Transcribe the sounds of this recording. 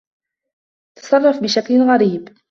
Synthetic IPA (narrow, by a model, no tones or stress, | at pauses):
t̪ɑ̥sˤɑrˤːɑfbɪʃaklɣaɾiːb